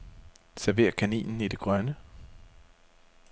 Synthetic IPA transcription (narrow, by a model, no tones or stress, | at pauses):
sæɐʋe̝̰ːɐkʰænḭːnn̩id̥e̝ɡ̥ʁɶnə